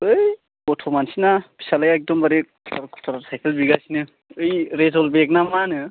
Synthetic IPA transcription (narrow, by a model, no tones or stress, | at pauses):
ɯj | koʈʰomansinapi̥salajaek̚d̪ɔmbaɾekʰutaɾkʰu̥tʰaɾasʰajkelbiɡasinɯ | ɯjɾezolbek̚namanɯ